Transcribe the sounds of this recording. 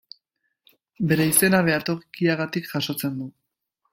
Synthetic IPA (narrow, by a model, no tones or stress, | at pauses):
be̞ɾe̞ise̞naβ̞e̞at̪o̞kiaɣ̞at̪ikʝ̥aʃo̞t͡se̞nd̪u